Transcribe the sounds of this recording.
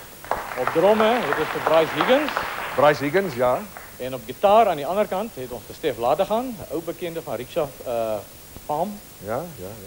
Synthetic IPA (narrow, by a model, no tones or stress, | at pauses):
ɔp̚drɔməɦɛtɔsχəbrɐjsɦiɡənsbrɐjsɦiɡənsja | ɛnɔp̚ɡitɑːɾɐːndiɐnərkɐntɦɛtɔnsχəstɛflaːtəχɑnəwbəkɛndəfɐnriksɐə | fɑːm | ja